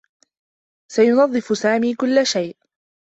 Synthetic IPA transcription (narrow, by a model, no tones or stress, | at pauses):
sajʊnɑðˤːɨfʊsaːmiːkʊlːaʃajʔ